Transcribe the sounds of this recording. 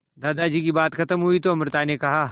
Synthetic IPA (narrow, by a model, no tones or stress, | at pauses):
d̪aːd̪ad͡ʒiːkibaːt̪xʰɐt̪əmɦuit̪oɐmɾt̪anekɐɦaː